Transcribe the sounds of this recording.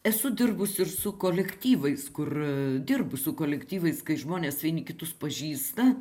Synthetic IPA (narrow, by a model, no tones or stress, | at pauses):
ɛsʊd̪ʲɪrbʊsɪrsʊkoːlʲɛkt̪ʲiːʋɐɪskʊrd̪ʲɪrbʊsʊkoːlʲɛkt̪ʲiːʋɐɪskɐɪʒmoːnʲeːsʋʲiɛnʲɪkʲɪt̪ʊspɐʒʲiːst̪ɐ